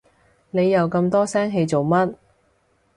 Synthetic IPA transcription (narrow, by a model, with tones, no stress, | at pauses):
ne˨˧jɐ˨˧wkɐ˧mt̪ɔː˥sɛː˥ŋɦe˧jt͡so˨wmɐ˥t̚